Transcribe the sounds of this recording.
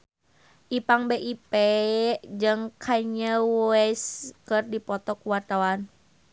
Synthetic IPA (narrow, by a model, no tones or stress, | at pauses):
ʔipaŋbeʔipɛ | d͡ʒɨŋkʰaɲəwɛskərdipɔt̪ɔkuwart̪awan